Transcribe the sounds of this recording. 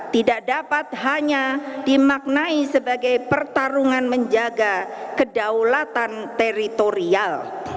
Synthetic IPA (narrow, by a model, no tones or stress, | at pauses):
t̪idaʔdapat̪̚haɲadimak̚naisəbaɡajpərt̪aɾuŋanməɲd͡ʒaɡakədawlat̪ant̪eɾit̪oɾial